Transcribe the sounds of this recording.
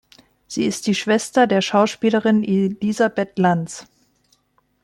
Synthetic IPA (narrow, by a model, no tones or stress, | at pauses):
z̥iːɪst̚d̥iːʃv̥ɛstɐdeːɐʃaʊʃpiːləʁɪnʔelizabɛtlant͡s